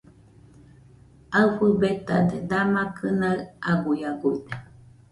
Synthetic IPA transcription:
aɨɸəbet̪a̰d̪ed̪amakʰɨnaɯaɡujaɡuid̪e̥

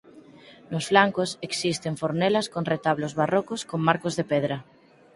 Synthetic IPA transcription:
nosflaŋkoseksist̪eɱfoɾnelaskonret̪aβlozβarɔkoskoŋmaɾkozðepeðɾa

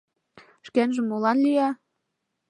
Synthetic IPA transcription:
ʃkænʒĕmːolɑnlijɑ

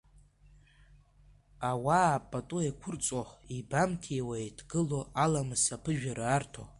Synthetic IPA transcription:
awaːpʼatʼuekʷʰʊrt͡sʷʼoibamtʰiewajtʰɡɨloʔalamɨsapʰɨʒᶣaɾaartʰo̰

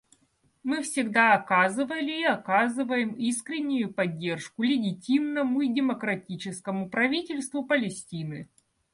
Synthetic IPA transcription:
mɨfsʲɪɡd̪aɐkazɨvəlʲɪːɐkazɨvəjɪmiskɾʲɪnʲːʊjʊpɐdʲːe̞rʂkʊlʲɪɡʲɪtʲimnəmʊidʲɪməkɾɐtʲit͡ɕɪskəmʊpɾɐvʲitʲɪlʲst̪vʊpəlʲɪsʲtʲinɨ

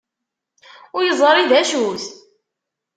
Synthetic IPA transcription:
ʊɾjəzˤɾˤiðæʃuθ

